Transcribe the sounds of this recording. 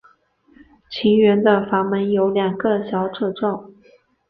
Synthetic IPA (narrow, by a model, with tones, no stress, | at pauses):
t͡ɕʰi˧˥ŋɥɛ˧˥nd̪ə˧fa˧˥ŋmə˧˥njo˧˥ʊljɑ˨˩ŋɡə˧ɕjɑ˧˥ʊʈ͡ʂʰɤ˥˧ʈ͡ʂɑ˥˩ʊ